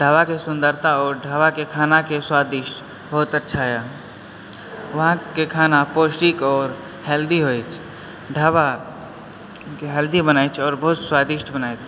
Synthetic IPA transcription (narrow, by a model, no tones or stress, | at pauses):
ɖʱaːʋakesʊ̃nd̪əɾt̪aɔːɾɖʱaːʋakekʰaːnakeswaːd̪ɪʃʈ | bəɦʊt̪ətːʃʰaɦe | ʋəɦãkekʰaːnapoːsʈikɔːɾ | hɛld̪iɦoit͡ʃʰ | ɖʱaːwa | keɦɛld̪ibənaːjt͡ʃʰɔːɾbəɦʊt̪swaːd̪ɪʃʈbənaːet͡ʃʰ